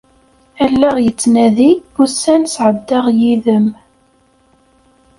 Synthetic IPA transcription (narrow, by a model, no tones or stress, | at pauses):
ælːæʁjət͡sːnæðibusænsʕəd̪ːɑʁjiðəm